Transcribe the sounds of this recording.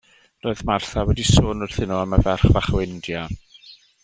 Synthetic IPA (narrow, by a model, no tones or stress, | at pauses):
roːɨðmarθawɛdisoːnʊr̥θɪnɔaməvɛrχvaχwɪndja